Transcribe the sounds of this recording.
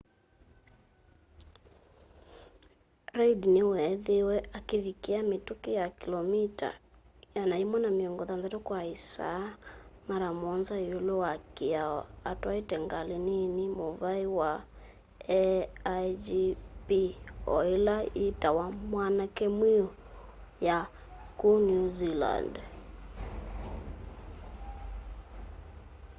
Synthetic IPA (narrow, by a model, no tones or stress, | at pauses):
ɾɛidinewɛðewɛakevikeametokejakilɔmita̰ | janaimwanameɔŋɡɔðanzatokwaisa̰ːmaɾamɔnzaeolowakeaɔ̰ataitɛŋɡalininimovaiwa | ɛ | d͡ʒipiɔ̰ilaitawamwanakɛmwiɔ | ja | kunuzila̰nd